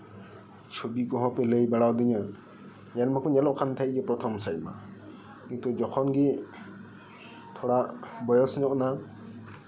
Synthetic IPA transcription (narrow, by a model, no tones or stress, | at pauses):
t͡ʃʰobiɡɔɦɔ̃pɛləjbaɽawd̪iɲa | janmakɔnɛlɔʔkʰant̪ʰaʔid͡ʒɛpɾɔt̪ʰɔmsajma̰ | kĩt̪ɔd͡ʒɔkʰɔnɡi | t̪ʰɔɽaʔbɔjɔsɲɔʔna